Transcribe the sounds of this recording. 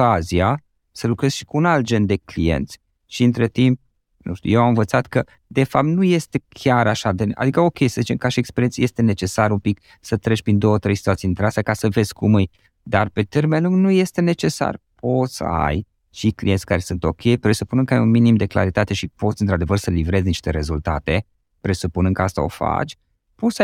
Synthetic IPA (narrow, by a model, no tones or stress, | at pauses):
azia | səlukɾe̞z̥ʃi̥kuːnalt̪̚d͡ʒe̞nd̪e̞klḭje̞̰nt̪sʲ | ʃiɨnt̪ɾe̞t̪imp̚ | nṵʃt̪ṵjewamɨnɱvət̪sat̪kə | d̪e̞fap̚t̪nuje̞st̪e̞kʲʰaɾaʃad̪ea̰d̪ikəo̞kʲe̞jsəzit͡ʃemkaʃiekspeɾient̪sje̞st̪ene̞t͡ʃe̞saɾumpik | sət̪ɾet͡ʃpɾind̪o̞wət̪ɾe̞jsit̪uat̪sijint̪ɾeasjakasəve̞zkʰumɨj | d̪arpe̞t̪e̞rmenluŋɡnuje̞st̪e̞ne̞t͡ʃe̞sa̰r | po̞t̪sə̰a̰j | t͡ʃiklḭjensʲkaɾe̞sunt̪o̞kʲʰe̞jpɾe̞supunɨŋkəajunminimd̪e̞kla̰ɾit̪at̪e̞ʃipo̞t̪sʲɨnt̪ɾad̪e̞vərsəlivɾe̞zniʃt̪e̞ɾe̞zult̪a̰t̪e̞ | pɾe̞supunɨŋkəast̪a̰o̞̰fa̰t͡ʃʲ | po̞t̪saj